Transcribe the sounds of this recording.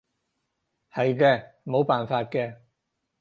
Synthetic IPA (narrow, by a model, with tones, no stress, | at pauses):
hɐ˨jkɛː˧mo˨˧˥wpaː˨nfaː˧t̚kɛː˧